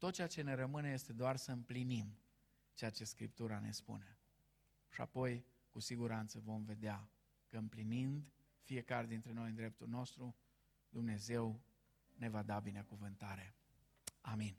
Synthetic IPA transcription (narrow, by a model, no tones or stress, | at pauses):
t̪ot̪̚t͡ʃeat͡ʃe̞ne̞ɾəmɨneje̞st̪e̞d̪oarsəɨmplinim | t͡ʃeat͡ʃe̞skɾḭp̚t̪uɾane̞̰spṵne̞ | ʃia̰po̞j | kusiɡuɾant̪səvo̞mve̞d̪ea | kəɨmplinind̪ | fije̞kaɾe̞d̪int̪ɾe̞no̞jɨnd̪ɾe̞p̚t̪ulno̞st̪ɾu | d̪umne̞ze̞w | ne̞vad̪abinekuvɨnt̪aɾe̞ | amin